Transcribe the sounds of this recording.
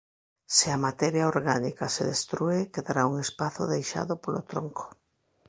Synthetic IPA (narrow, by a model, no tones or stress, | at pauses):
sɪamat̪ɛɾjaoɾɣanikaseðest̪ɾuekeðaɾauŋespaθʊ̰ðejʃa̰ðʊpolo̰t̪ɾoŋko̥